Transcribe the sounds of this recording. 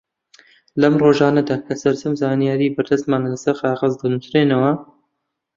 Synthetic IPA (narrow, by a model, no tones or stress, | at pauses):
lɐmroːʒaːnɐd̪aːkʰɐsɐɾzɐmzaːnijaːɾiːbɐɾd̪ɐst̪maːnlɐsɐɾxɑːʁɐzd̪ɐnusɾeːnɐwɐ